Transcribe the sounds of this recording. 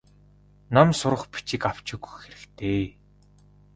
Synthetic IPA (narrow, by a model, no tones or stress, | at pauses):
namsʊɾə̆χpi̥t͡ɕĭkaw̥t͡ɕɪ̆ɣu̥xeɾɘ̆kt̪ʰeː